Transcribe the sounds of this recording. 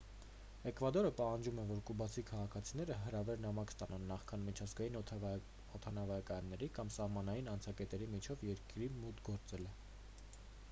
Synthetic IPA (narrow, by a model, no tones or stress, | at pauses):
ɛkvɑd̪ɔɾəpɑhɑnd͡ʒumɛvɔɾkubɑt͡sʰikʰɑʁɑkʰɑt͡sʰin̪ɛɾəɦəɾɑvɛɾnɑmɑkst̪ɑnɑnːɑχkʰɑnmit͡ʃʰɑzɡɑjin | ɔt̪ʰɑnɑvɑjɑkɑjɑnːɛɾikɑmsɑhmɑnɑjinɑnt͡sʰɑkɛt̪ɛɾimit͡ʃʰɔvjɛɾkɾimut̪ɡɔɾt͡sɛlɛ